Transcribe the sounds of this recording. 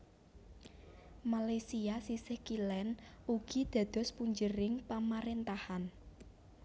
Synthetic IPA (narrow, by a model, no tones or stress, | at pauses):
malajsiasisɪhkilɛnuɡ̥id̪̥ä̤d̪̥ɔ̤spuɲd͡ʒəɾɪŋpamaɾent̪ahan